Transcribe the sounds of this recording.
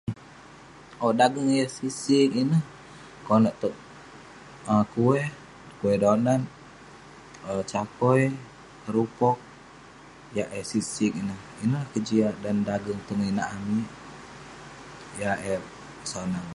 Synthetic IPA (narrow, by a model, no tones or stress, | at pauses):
odaɡəŋjasisikinəh | konaʔt̪ɔʔ | əkuɛ | kuɛdonan | ət͡ʃakɔj | kəɾupɔk̚ | jaʔɛsisikinəh | inəlahkəd͡ʒiaʔdandaɡəŋt̪uŋinaʔamiʔ | jaʔɛp̚ | sonan